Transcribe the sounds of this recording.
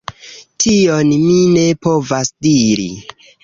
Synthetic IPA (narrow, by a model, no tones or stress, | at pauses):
tʰionmine̞po̞vasdiɾḭ